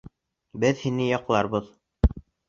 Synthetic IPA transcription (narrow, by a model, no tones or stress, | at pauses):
bɘðhinɘjɑqlˠɑɾbɤð